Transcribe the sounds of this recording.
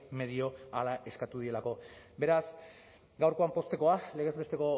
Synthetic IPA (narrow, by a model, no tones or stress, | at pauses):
me̞ðio̞alaʔe̞skat̪uð̞ie̞lako̞ | be̞ɾas | ɡawɾko̞ampo̞st̪e̞ko̞ale̞ɣ̞e̞zβe̞st̪e̞ko̞